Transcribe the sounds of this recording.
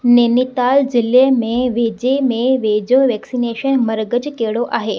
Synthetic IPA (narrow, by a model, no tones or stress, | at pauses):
neːnit̪aːld͡ʑɪlemẽʋeːd͡ʑemẽʋeːd͡ʑoʋɛːksineːʃənmɐɾɡəd͡ʑkeːɽoʔaːɦeː